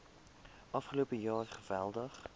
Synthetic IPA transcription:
ʔɑfχəlopəjɑːrχəvɛlˠdəχ

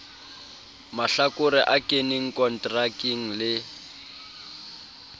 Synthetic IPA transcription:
maɬakʼʊɾɪʔakʼeniŋ̩kʼɔn̩tʼrakiŋ̩lɪ

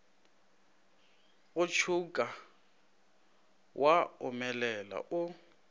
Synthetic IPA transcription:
ɣʊt͡ʃʰukʼa | wʔaʊmɛlɛla̰ʔʊ

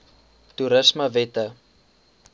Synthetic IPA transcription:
tuɾəsməvɛtə

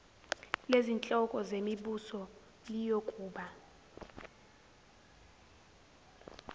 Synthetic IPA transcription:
lezint͡ɬʼɔkʼɔzemiɓusɔ | lijokʼuːɓa

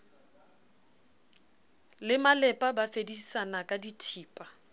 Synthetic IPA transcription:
lɪmalɛpʼabafedisanakʼaditʰiːpʼa

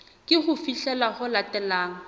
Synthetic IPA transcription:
kʼɪχʊfiɬɛlaχʊlatɛlaːŋ̩

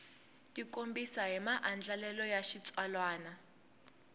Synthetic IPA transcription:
tʼikombisaɦɛmaʔand͡ɮalɛlɔjaʃit͡sʼwalwaːna

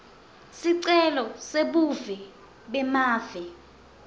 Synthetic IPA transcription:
siǀɛlɔseɓuvɛ | ɓɛmaːvɛ

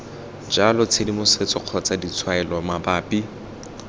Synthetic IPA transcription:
d͡ʒalɔt͡sʰedimʊset͡sɔq͡χʰɔt͡sadit͡sʰwaɛlɔmabaːpi

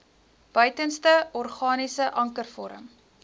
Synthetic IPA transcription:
b̥œɥtənstəɔrχɑːnisəʔɐŋkərfɔɾə̰m

